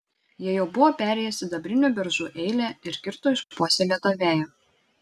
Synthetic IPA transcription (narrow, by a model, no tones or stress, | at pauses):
jiɛjɛʊbʊʋoːpʲæːɾʲɛˑjɛsʲɪd̪ɐbʲɾʲɪnʲuːbʲɛɾʒuːʔɛɪlʲɛˑɪɾkʲɪɾt̪oːɪʃpuɔsʲɛlʲɛt̪oʋʲæːjo